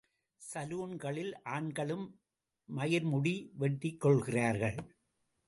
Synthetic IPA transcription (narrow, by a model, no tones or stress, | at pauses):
sɐluːnɡɐɭɪlʔaːɳɡɐɭɯmː | ɐjɐɾmʊɽiʋɛʈːɪkːɔɭɣɪraːɾɣɐɭ